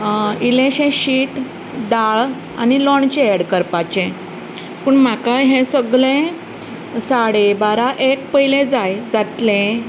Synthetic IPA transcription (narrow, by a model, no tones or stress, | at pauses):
ilẽɕẽɕiːʈ | d̪aɭ | a̰nilɔɳt͡ɕeeɽkəɾpat͡ɕẽ | puːɳm̤akajɦẽsəɡɭẽ | saɽebaɾaʔek̚pəilẽd͡zajd͡zat̪lẽ